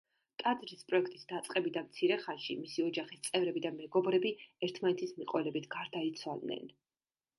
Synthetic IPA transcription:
t̪ʼad̪ɾispʼɾɔɛkʰt̪ʼisd̪at̪sʼqʼɛbid̪amt̪sʰiɾɛχanʃḭmisiɔd͡ʒaχist̪sʼɛvɾɛbid̪amɛɡɔbɾɛbiɛɾt̪ʰmanɛt̪ʰismiqʼɔlɛbit̪ʰɡ̥aɾd̪ait̪sʰwalˠd̪nɛ̰n

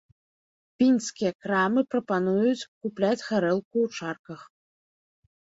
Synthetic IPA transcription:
pʲinʲskʲijɐkɾamɨpɾɐpanujut͡sʲkuplʲat͡sʲɣaɾɛlˠkuːt͡ʂarkɐx

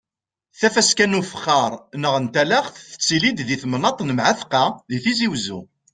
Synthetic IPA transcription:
θæfæskænufə̥χːɑɾˤnəʁənt̪ælæχθθə̥t͡sːilid̪ðiθmnɑt̪ˤnəmʕaθqːɑðiθiziwzṵ

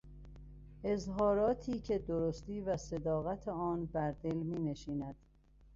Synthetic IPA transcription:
ʔe̞zɦɒːɾɒːt̪ʰiːcʰe̞d̪oɾost̪iːvæse̞d̪ɒːɣæt̪ʰeɒːnbæɾd̪e̞lmiːne̞ʃiːnæd̪̥

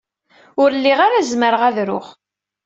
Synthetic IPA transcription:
ʊɾlːiʁaɾæzməɾəʁæðɾʊ̰χ

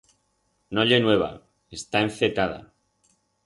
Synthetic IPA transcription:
noʎe̞nwe̞β̞a̰ | est̪aeɱθet̪að̞a̰

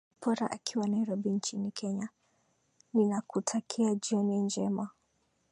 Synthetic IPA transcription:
pʰɔɾaʔakʰiwanaiɾɔɓint͡ʃinikʰɛɲa | ninakutʰakʰiad͡ʒiɔnind͡ʒɛma

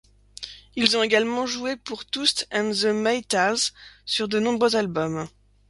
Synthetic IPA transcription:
ilzɔ̃teɡalmɑ̃ʒuepuʁt̪ust̪ɛnzəmajt̪alzsyʁd̪ənɔ̃bʁøzalbɔm

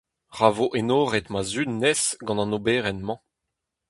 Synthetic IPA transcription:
ʁavoʔenoːʁɛt̪mazynɛsɡɑ̃nɑ̃nobɛːʁɛnmɑ̃

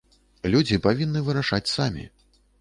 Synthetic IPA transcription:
lʲud͡zʲipavʲinːɨvɨɾaʂat͡sʲsamʲḭ

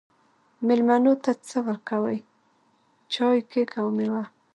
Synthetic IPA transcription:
mɪlmanot̪at͡səwəɾkawəj | t͡ʃɑjkekawmewa

